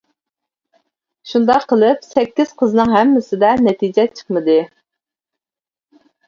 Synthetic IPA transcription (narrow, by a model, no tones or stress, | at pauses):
ʃund̪ɑqʰːəlˠɨpsɛkʲːiz̥qʰəznɨŋɦɛmːɪsɪd̪ɛnɛt̪ʰid͡ʒɛt͡ʃʰə̥χmɨd̪ɨ